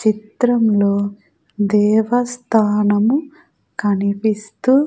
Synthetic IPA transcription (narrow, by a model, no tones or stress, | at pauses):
t͡ʃit̪ɾɐmlo̞ː | d̪ɛːʋɐst̪ʰaːnɐmu | kɐnipist̪u